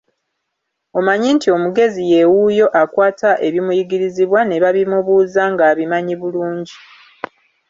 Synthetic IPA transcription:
o̞maɲintio̞muɡe̞zije̞wujo̞ʔakwaːtaʔe̞βimujiɡiɾiziβwane̞βaβimuβuːzaŋɡaːβimaɲiβuluːɲɟi

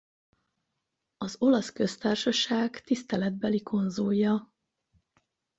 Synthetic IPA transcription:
ɒzo̞lɒskø̞st̪aːrʃɒʃaːɡt̪ist̪ɛlɛd̪̚bɛlikʰo̞nzujjɒ

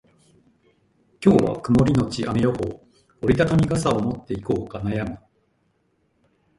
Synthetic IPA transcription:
kʲo̞ːβa̰kɯ̟mo̞ɾʲino̞t͡ɕiʔamejo̞ko̞̰ | oɾʲit̪ak̪amʲiɡasaomo̞t̪ːe̞iko̞ːkanajamɯ̟

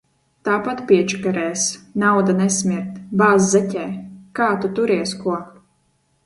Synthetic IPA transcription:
t̪aːpat̪pʲiɛt͡ʃkaɾɛːsnawd̪anɛsmʲiɾt̪baːzzɛcʲɛːkaːt̪ut̪uɾiɛskuɔ

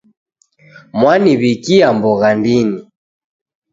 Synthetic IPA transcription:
mwaniβikiambɔɣandini

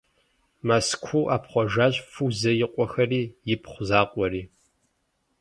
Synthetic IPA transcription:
maskʷʰuːʔaːpχʷɔʒaːɕʼfuzɐjɪqʷʼɔxɐriːjɪpʰχʷʊzaːqʷʼɔriː

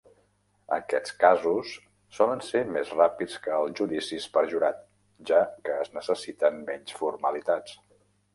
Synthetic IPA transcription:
ə̰kɛt͡skazusː | ɔlənsemezrapit͡skəːlˠzʒuðisispəɾʒuɾat̪̚ | ʒakəːznəsəsit̪əmmɛɲsfuɾməlit̪at͡s

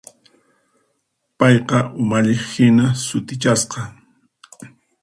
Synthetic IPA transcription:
pɑjqɑʔʊmaʎɪχhɪnasʊt̪ɪt͡ʃasqɑ

